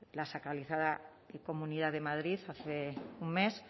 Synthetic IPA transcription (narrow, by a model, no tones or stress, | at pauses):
lasakɾaliθaða | ko̞mũniðaðe̞maðɾiθaθeuŋmes